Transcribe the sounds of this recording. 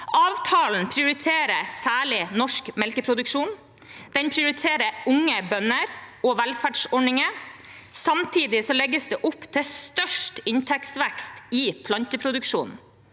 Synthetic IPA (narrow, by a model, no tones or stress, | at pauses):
ʔɑːʋt̪ʰɑːln̩pʰɾɪʊɾɪt̪ʰeːɾəsæːɭɪnɔʂkmɛlkəpʰɾʊd̪ʉkʂuːn | d̪̥ɛnpʰɾɪʊɾɪt̪ʰeːɾəɾʊŋːəbœnəɾɔʋælfæːɖʂɔɳɪŋəsɑmt̪ʰiːd̪ɪsɔlɛɡːəsd̪ɛːʔʊpːt̪ʰɪst̪œʂʈɪnt̪ʰɛksʋɛkst̪iːpʰlɑnt̪əpʰɾʊd̪ʉkʂṵːn